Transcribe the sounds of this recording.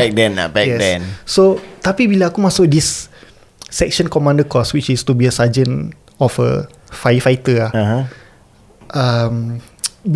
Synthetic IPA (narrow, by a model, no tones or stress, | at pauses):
ɛk̚dɛ̃na̰bɛkj̚ɛdɛnsot̪apibilaakumãsʊk̚disː | ɛk̚ʃə̃nkɔmãndəkɔswit͡ʃist̪ubiəsad͡ʒə̃n | ɔfə̰ | fajfajt̪əlaɦ | ʔam